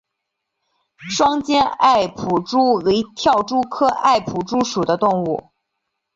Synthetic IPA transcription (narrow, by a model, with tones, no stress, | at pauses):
ʂwɑ˥ŋt͡ɕjɛ˥na˥˩ɪpʰu˨˩ʈ͡ʂu˥we˧˥ɪt̪ʰjɑ˥˩ʊʈ͡ʂu˥kʰɤ˥ʔa̰˥˩ɪpʰu˨˩ʈ͡ʂu˥ʂu˨˩d̪ə˦t̪ʊ˥˧ŋṵ˥˩